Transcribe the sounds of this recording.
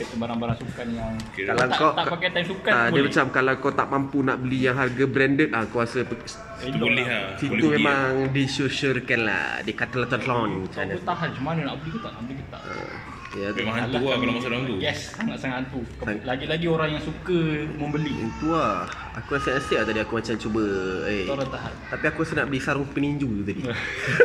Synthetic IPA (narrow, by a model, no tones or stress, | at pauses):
t̪ubaɾaŋbaɾaŋsukanjaŋkkalaak̪aʔpakajt̪ansukadiəmat͡ʃamkalakɔt̪aʔmampunaʔbəlijaŋɦarɡabɾɛndət̪̚akuasə̥ | sit̪ubəlɪasitb̪umemaŋdisəʃərkanla̰dikat̪əlat̪ɔnt̪lɔnmət͡ʃanut̪aɦant͡ʃumanənaʔbəlihkut̪aʔna̰ʔbəlikət̪a̰ʔʔə̰ | jat̪maauklamasoɾaŋt̪ujɛssaŋat̪̚saŋat̪ant̪ukŋlaɡilaɡioɾaŋjaŋsukəməmbəliə̰nt̪uah | akuɾasəəst̪iaʔt̪adiakumat͡ʃant͡ʃubəeɾat̪aɦant̪apiakuɾasənaʔbəlisaɾʊŋpəniɲd͡ʒut̪ut̪adi